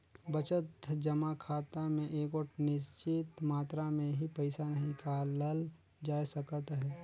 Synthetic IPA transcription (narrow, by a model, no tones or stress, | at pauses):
bət͡ʃət̪d͡ʒəmakʰaːt̪amẽʔeːkoʈnɪst͡ʃɪt̪maːt̪ɾamẽɦipəɪsanəɦĩkaləl | d͡ʒaːjsəkət̪ɦɛː